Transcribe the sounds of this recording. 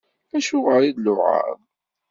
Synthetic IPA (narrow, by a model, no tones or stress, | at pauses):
æʃʊʁəɾid̪lʊʕa̰ɾð